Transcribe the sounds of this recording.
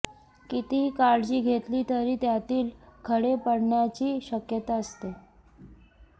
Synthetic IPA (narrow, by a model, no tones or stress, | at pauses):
kit̪iɦiːkaɾd͡ʑiːɡʱet̪liːt̪əɾiːt̪jat̪iːlkʰəɽepəɽɳjat͡ɕiːɕəkjət̪aəst̪e